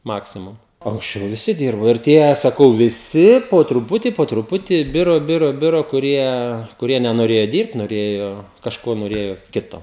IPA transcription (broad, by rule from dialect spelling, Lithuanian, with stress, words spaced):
ˈmɑːksʲɪmʊm oː ɐŋksʲˈt͡ʃʲɛʊ ʋʲɪˈsʲɪ ˈdʲiːrboː ɪr ˈtʲiɛ sɐˈkɐʊ ʋʲɪˈsʲɪ poː trʊˈpʊtʲiː poː trʊˈpʊtʲiː ˈbʲɪroː ˈbʲɪroː ˈbʲɪroː kʊˈrʲiɛ kʊˈrʲiɛ nʲɛnoːˈrʲeːjoː ˈdʲiːrpt noːˈrʲeːjoː kɐʃˈkoː noːˈrʲeːjoː ˈkʲɪtoː